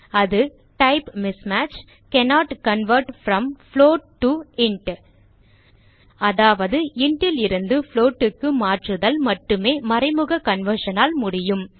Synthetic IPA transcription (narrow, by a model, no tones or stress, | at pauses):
ɐðɯ | ʈɐɪpmɪsmæːt͡ʃ | kɛnaːʈkɐnʋɐɾʈfɾɐmfloːʈːuɪɳʈ | ɐðaːʋɐðɯʔɪɳɖɪlɪɾɯnd̪ɯfloːʈːɯkːɯmaːʈrɯðɐlmɐʈːɯmeːmɐɾɐɪmɯɣɐkɐnʋɐɾʂɐnaːlmʊɽɪjɯm